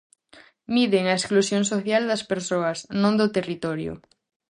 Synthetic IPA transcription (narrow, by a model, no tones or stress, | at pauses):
miðeŋaesklusjoŋsoθjald̪ɐspeɾsoasnõnd̪ot̪erit̪oɾjo̰